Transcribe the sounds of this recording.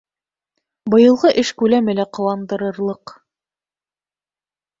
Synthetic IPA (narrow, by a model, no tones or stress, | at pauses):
bɤ̆jɤ̆lˠʁɤʔɘʃkʉlæmɘlæqɤ̆wɑnd̪ɤ̆ɾɤ̆ɾlˠɤq